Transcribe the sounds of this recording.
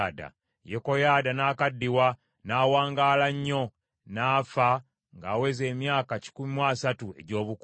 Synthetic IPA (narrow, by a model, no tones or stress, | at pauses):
da̰ | jeko̞jaːdanaːkadːiwa | naːwaːŋɡaːlaɲːo̞ | naːfa | ŋɡaːwe̞ze̞ːmjaːkaci̥kumimwaːsatue̞̰ɟo̞ːβuk